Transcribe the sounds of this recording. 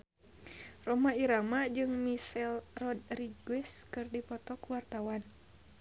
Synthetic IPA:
rɔmaiɾamad͡ʒɨŋmisɛlrɔd̚riɡwɛskɨrdipɔt̪ɔkuwart̪awan

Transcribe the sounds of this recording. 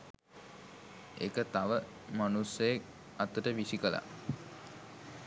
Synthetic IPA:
ḛkət̪aʋə | manusːəjek̚ | at̪əʈəʋisikəla̰

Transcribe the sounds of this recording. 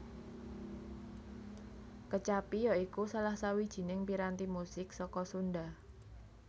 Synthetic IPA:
kət͡ʃapijɔikusalahsawid̥ʒ̥i̤nɪŋpiɾant̪imusɪk̚sɔkɔsunɖa

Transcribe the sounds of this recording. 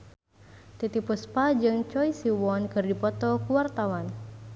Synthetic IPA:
t̪it̪ipuspad͡ʒɨŋt͡ʃɔisiwɔnkɨrdipɔt̪ɔkuwart̪awan

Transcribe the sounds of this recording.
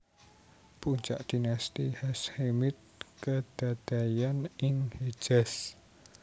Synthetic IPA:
puɲt͡ʃa̰ʔd̪̥inast̪ihɛshemɪt̪̚kəd̪̥ad̪̥a̤janɪŋhe̥d͡ʒ̥ɛs

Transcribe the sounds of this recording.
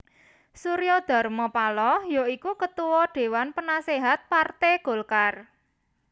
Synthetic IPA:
suɾiɔd̪̥a̤rmɔpalɔjoikukət̪uwɔɖ̪̥e̤wanpənaseɦat̪̚part̪eɡ̥o̤lkar

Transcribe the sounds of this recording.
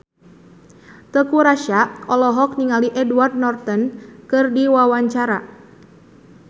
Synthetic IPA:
t̪əkuɾaʃaʔɔlɔɦɔk̚niŋaliʔɛduard̪̚nɔrt̪ənkɨrdiwawaɲt͡ʃaɾa

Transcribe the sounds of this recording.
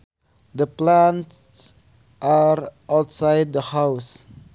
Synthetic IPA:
dəplãnts | ʔaɹawtsajd̚dəhaws

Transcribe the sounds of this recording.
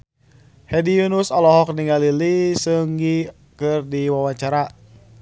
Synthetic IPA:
hɛdijunusɔlɔɦɔk̚niŋalilisɨŋɡi | kɨrdiwawaɲt͡ʃaɾa

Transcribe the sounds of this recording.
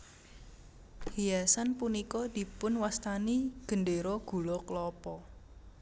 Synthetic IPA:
hijasanpunikɔd̪̥i̤pʊnwast̪aniɡ̥ə̤nɖeɾɔɡ̥ṳlɔklɔpɔ

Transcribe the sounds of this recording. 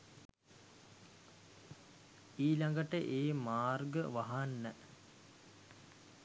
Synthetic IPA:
iːlaŋɡəʈəʔeːmaːrɡəʋaɦanːə

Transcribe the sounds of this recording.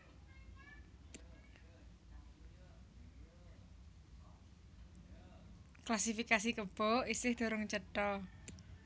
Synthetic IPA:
klasifikas̬ikəb̥ɔ̤isɪhd̪̥o̤ɾʊŋt͡ʃəʈɔ

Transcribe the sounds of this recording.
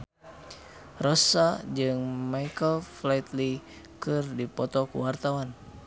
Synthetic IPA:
rɔsad͡ʒɨŋmajkəlflajt̪li | kɨrdipɔt̪ɔkṵwart̪awan

